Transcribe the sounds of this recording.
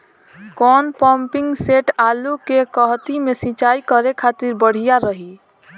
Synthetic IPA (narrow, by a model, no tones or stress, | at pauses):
kɔnpɔmpiŋɡseʈalukekəɦt̪imesĩt͡ʃaikəɾekʰat̪iɾbəɽ̤ijaɾəɦi